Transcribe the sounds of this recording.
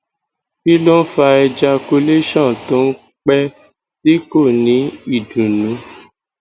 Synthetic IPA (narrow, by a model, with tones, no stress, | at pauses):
bi˦lo˦n̩˦fa˧ɛ˧d͡ʒa˧ko˧le˦ʃã˦˨tõ˦n̩˦ | k͡pɛ˦ | ti˦ko˦˨nĩ˨˦i˦˨dũ˨nũ˨˦